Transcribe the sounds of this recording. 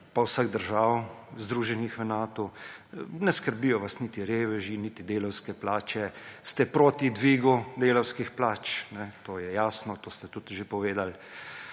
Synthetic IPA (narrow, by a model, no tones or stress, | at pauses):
pawsaɡd̪əɾʒaːwzd̪ɾuːʒɛnixʋɛnaːt̪ɔ | nɛskəɾbiːjɔʋasnit̪iɾeːʋɛʒiniːt̪id̪eːlɔwskɛplaːt͡ʃɛst̪ɛpɾoːt̪id̪ʋiːɡud̪eːlɔwskixplaːt͡ʃnɛt̪oːjɛjaːsnɔt̪oːst̪ɛt̪ut̪ʒepɔʋeːd̪al